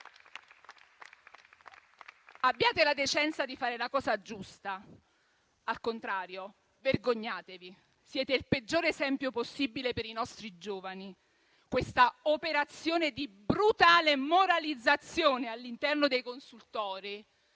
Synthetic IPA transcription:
abːjaːt̪elad̪et͡ʃɛnt̪sad̪ifaːɾelakɔːzad͡ʒust̪a | alkont̪ɾaːɾjo | verɡoɲːaːt̪evi | sjɛːt̪eilped͡ʒːoːɾesɛmpjoposːibilepeɾinɔst̪ɾid͡ʒoːvani | kwest̪aopeɾat̪sːjoːned̪ibɾut̪aːlemoɾalid̪zːat̪sːjoːnealːint̪ɛrnod̪ejkonsult̪ɔːɾi

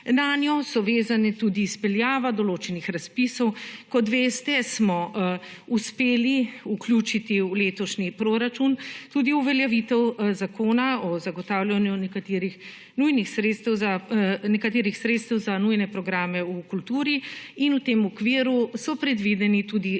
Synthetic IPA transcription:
nanjɔsɔʋeːzanɛt̪ud̪iːspɛljaːʋad̪ɔloːt͡ʃɛnixɾaspisɔwkɔt̪ʋeːst̪ɛsmɔ | uspeːliuklʲjuːt͡ʃit̪iwleːt̪ɔʃnipɾoɾat͡ʃunt̪ud̪iuʋɛljɛʋit̪ɛwzakoːnaɔzaɡɔt̪awlʲjanjunɛkat̪eɾix | nujnixsɾet̪st̪ɛwzanɛkat̪eːɾixsɾeːt̪st̪ɛwzanujnɛpɾɔɡɾaːmɛukult̪uːɾiinut̪eːmɔkʋiːɾusɔpɾɛd̪ʋid̪ɛnit̪ud̪i

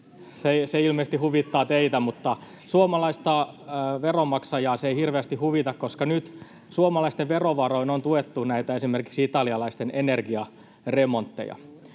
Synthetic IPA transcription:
seseilmeːst̪ihuʋit̪ːɑːt̪eit̪æmut̪ːɑ | suomɑlɑist̪ɑʋeromɑksɑjɑːseeihirʋeæst̪ihuʋit̪ɑkkoskɑnyt̪ | suomɑlɑist̪eʋʋeroʋɑroinont̪uet̪ːunæit̪æesimerkiksiit̪ɑliɑlɑist̪enenerɡiɑ | remont̪ːḛjɑ̰

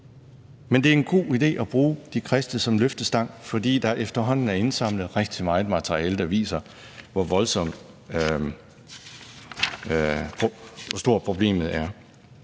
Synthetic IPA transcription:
mend̥e̝æɐe̝nɡ̥o̝̰ːid̥e̝̰ːʔɒb̥ʁuːd̥ikʰʁɛsd̥əsɒ̽mløfd̥əsd̥ɑ̈ŋ̰fɒ̽d̥ḭːd̥ɑ̈ʔefd̥ɐɦɒ̽n̰n̩æɐe̝nsɑ̈m̰ləð̞̩ˠʁɛɡ̥̚d̥imɑ̈ːɪð̩ˠmɑt͡sʰɐʁiɛːləd̥ɑʋḭːsɐ | ʋɒʋɒ̽lsɒ̽m̰d̥ | pʰɒsd̥o̝ɐ̰pʰʁo̝b̥le̝̰ːmð̩ˠæɐ

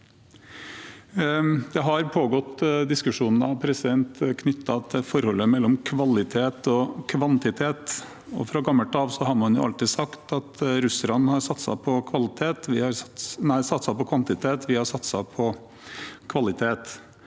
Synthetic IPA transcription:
d̪̥ɛɦɑɾpʰoːɡɔt̪d̪ɪskʉʂuːnn̩ɑ̰ʋpʰɾɛsɪd̪ɛnt̪kʰnʏt̪ʰːɑt̪ɛfɔɾhɔlːəmɛlːɔmkʰʋɑlɪt̪ʰeːt̪ɔkʰʋɑnt̪ɪt̪ʰeːt̪ | ɔ̰fɾɑɡɑmːəlʈ̪ʰɑːʋsɔɦɑɾmɑnjʊ̰ʔɑ̰lt̪ɪːd̪sɑkt̪ɑt̪ɾʉslɑnːhɑɾsɑt̪ːsɑ̰pʰɔkʰʋɑlɪt̪ʰeːt̪ʋɪhɑɾnæɪsɑt̪sɑpɔkʰʋɑnt̪ɪt̪ʰeːt̪ʋɪhɑɾsɑt̪sɑpʰɔ | kʰʋɑlɪt̪ʰeːt̪

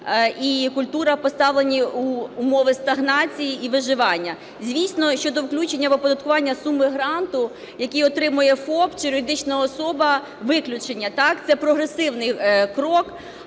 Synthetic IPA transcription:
ikʊlʲt̪uɾɐpɔst̪ɑʋlˠenʲiuːmɔʋɪst̪ɐɦnɑt͡sʲijiiʋɪʒɪʋɑnʲːɐ | zʲʋʲisʲnɔʃt͡ʃɔd̪ɔwklʲut͡ʃenʲːɐʋɔpɔd̪ɐt̪̚kʊʋɑnʲːɐsumɪɦɾɑnt̪ʊ | jɐkʲijɔt̪ɾɪmʊjɛfɔpt͡ʃɪɾɔɾʲɪd̪ɪt͡ʃnɐɔsɔbɐ | ʋɪklʲʊt͡ʃenʲːɐt̪ɑkt̪sɛpɾɔɦɾesɪwnɪjkɾɔk

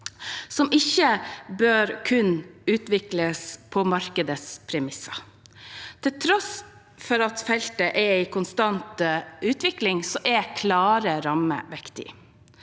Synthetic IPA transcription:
sɔmʔɪçəbøːɾkʰʉnʉːt̪ʋɪkləspʰɔmɑɾkəd̪əspʰɾɛmɪsɑ | t̪ʰɪlt̪ʰɾɔs | fɔɾɑt̪fɛlt̪əʔɛɾɪkʰʊnst̪ɑnt̪əʉːt̪ʋɪklɪŋsɔʔɛkʰlɑːɾəɾɑmə̰ʋɛkt̪ɪ̰

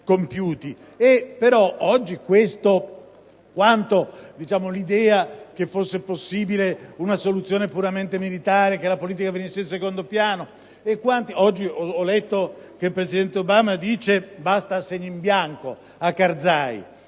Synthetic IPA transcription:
kompjuːt̪i | epːeɾɔɔd͡ʒːikwest̪o | kwant̪od̪it͡ʃaːmolid̪ɛːak̟efːosːeposːiːbileunasolut̪sjoːnepuɾament̪emilit̪aːɾek̟elapoliːt̪̬ikavenisːeilsekond̪opjaːno | ekːwant̪iɔd͡ʒːiɔɔlːet̪ːokelpɾesid̪ɛnt̪eobaːmad̪iːt͡ʃebast̪asːeɲːimbjaŋko | akːard̪zaːjḭ

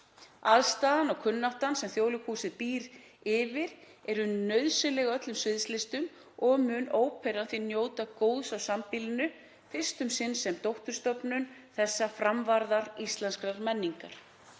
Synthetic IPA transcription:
aðst̪aːðanɔɣkʰʏnːawht̪ansɛmθjoːwlʏkʰuːsɪðpiːɾ | ɪːvɪɾ | ɛɾʏnœɥðsɪlɛɣœt̪lʏmsvɪðst̪lɪst̪ʏm | ɔɣmʏːnoːwpʰɛɾanθɪnjoːwt̪akoːwðsawsampilɪnʏ | fɪ̥st̪ʏmsɪnːsɛmt̪owht̪ʏɾst̪ɔpnʏnθɛsːafɾamvaɾðaɾist̪lɛnskɾaɾmɛnːiŋkaɾ̥

